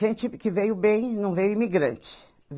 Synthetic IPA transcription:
ẽnt͡ʃɪkɪvejʊbẽj̃nɐ̃w̃vejʊimiɡɾɐ̃nt͡ʃɪ̥ | v

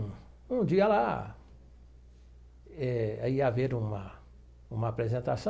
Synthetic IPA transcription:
ũd͡ʒiɐla | ɛaiaveɾũmɐ | ũmɐapɾezẽnt̪asɐ̃

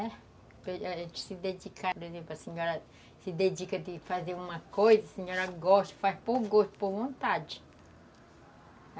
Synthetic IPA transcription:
ɛ | peaʒẽnt͡ʃɪ̥sɪd̪ed͡ʒikapoɾezẽmplʊɐseɲɔɾɐ | sɪd̪ed͡ʒikɐd̪ɪfazeɾũmɐkojzɐsẽɲɔɾɐɡɔʃt̪faspoɡoʃt̪ʊ̥poɾvõnt̪ad͡ʒɪ

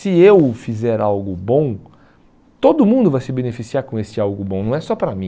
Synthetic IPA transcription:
sɪewfizɛɾawɡʊbõw̃ | t̪od̪ʊmũnd̪ʊvajsɪbẽnefisiaɾkõesɪawɡʊbõnɐ̃w̃ɛsɔpɾɐmĩ

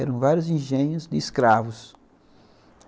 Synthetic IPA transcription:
ɛɾɐ̃w̃vaɾjʊzĩʒẽɲʊzd̪ɪːskɾavʊs

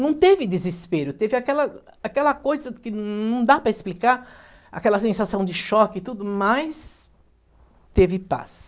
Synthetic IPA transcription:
nɐ̃w̃t̪evɪd̪ɪzɪspeɾʊt̪evɪakɛlɐ | akɛlɐkojzɐkɪnɐ̃w̃d̪apɾɐɪsplikaɾ | a̰kɛlɐsẽsasɐ̃w̃d͡ʒɪʃɔkɪːt̪ud̪ʊmɐjs | t̪evɪpa̰s

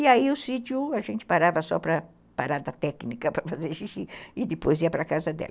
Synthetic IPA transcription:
iaiʊsit͡ʃ̪jʊaʒẽnt͡ʃ̪ɪ̥paɾavɐsɔ̰pɾɐ | paɾad̪ɐt̪ɛknikɐpɾɐfazeɾʃiʃiɪd̪ɪpojziɐpɾɐkazɐd̪ɛ̰lɐ

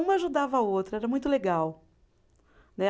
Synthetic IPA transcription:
ũmɐaʒud̪avɐaowt̪ɾɐɛɾɐmũj̃t̪ʊleɡaw | nɛ

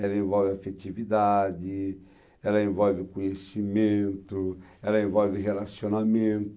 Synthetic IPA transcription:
ɛlɐẽvɔlvɪafet͡ʃ̪ivid̪ad̪ɪ | ɛlɐẽvɔlvɪkõɲesimẽnt̪ʊ | ɛlɐẽvɔlvɪɦelasionamẽnt̪

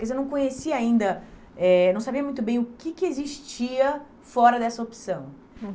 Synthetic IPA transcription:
kezewnɐ̃w̃kõɲesiɐaĩnd̪ɐ | ɛnɐ̃w̃sabiɐmũt̪ʊbẽj̃ʊkɪkɪeziʃt͡ʃiɐ | fɔɾɐd̪ɛsɐopsɐ̃w̃

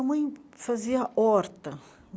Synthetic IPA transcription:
ɐmɐ̃j̃faziɐʔɔɾt̪ɐ

